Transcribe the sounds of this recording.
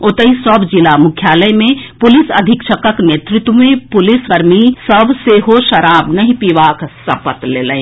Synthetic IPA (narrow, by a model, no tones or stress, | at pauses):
oːt̪əɦisəbʱd͡ʒɪlamʊkʰjaːləjmẽpʊlɪsɐd̪ʱɪkʃəkəkneːt̪ɾɪt̪wəmẽpʊlɪskɐɾmisəbʱseɦoʃɐɾaːbnɐɦĩpiʋaːksɐpət̪leːləẽ